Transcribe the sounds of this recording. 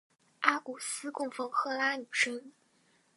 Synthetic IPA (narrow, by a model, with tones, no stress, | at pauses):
a˥ku˨˩sɹ̩˥kʊ˥˩ŋfɤ˧˥xɤ˥˩la˥ny˨˩ʂɤ˥ŋ